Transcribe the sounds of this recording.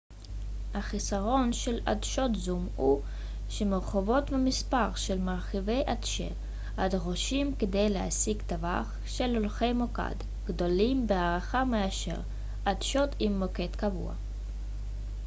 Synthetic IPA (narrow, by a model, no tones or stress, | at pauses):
haχisaʁo̞nʃela̰dʃo̞t̪zumhu | ʃemeʁχovo̞t̪vemispaʁʃelmaʁχive̞jʔadʃḛ | ad̪ʁoʃimked̪e̞jlea̰siɡt̪ava̰χ | ʃelolχe̞jmoka̰d̪ | ɡ̥d̪o̞limbeaʁaχameaʃḛʁ | adʃo̞t̪imːoke̞t̪kavṵa̰